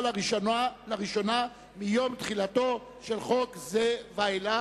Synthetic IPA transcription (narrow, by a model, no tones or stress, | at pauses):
laʁiʃonalaʁiʃo̞na | mijo̞mt̪χilato̞ | ʃe̞lχo̞kzevaela